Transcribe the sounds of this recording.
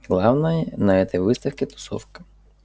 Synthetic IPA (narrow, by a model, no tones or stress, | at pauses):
ɦlˠɑwnɐjɛnɐɛt̪ɛʋɪst̪ɐwkʲɪt̪ɔ̥sɔ̰wkɐ̥